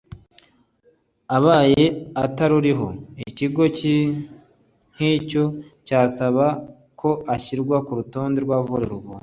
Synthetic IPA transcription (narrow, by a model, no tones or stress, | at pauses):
aβaːje̞ataɾuɾiɦo̞̰iciɡo̞ci | ŋ̥hico̞caːsaβa | kʰo̞ʔaçiɾɡwakuɾuto̞ːndeɾɡwaːvuɾeɾuɡo